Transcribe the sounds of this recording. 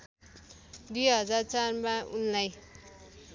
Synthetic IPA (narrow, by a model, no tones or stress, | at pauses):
d̪ujɦʌd͡zart͡sarmaunlaj